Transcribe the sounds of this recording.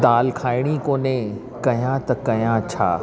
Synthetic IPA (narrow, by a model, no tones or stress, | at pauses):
d̪aːlkʰaːɪɽ̃ikõːnẽ | kɐjãt̪ɐkɐjãt͡ɕʰa̰ː